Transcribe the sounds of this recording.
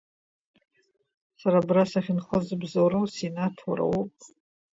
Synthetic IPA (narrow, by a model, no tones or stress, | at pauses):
saɾabrasaχʲɪnχəzɨbzoɾosenatʰaɾa̰wopʼ